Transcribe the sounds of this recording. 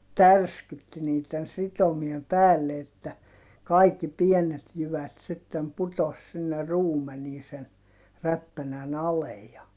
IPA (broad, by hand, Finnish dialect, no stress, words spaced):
tærskytːi niːtːen sitomiem pæːlːe etːæ kɑikːi pienet jyʋæt sitːem putos sinːe ruːmeniː sen ræpːænæn ɑlej jɑ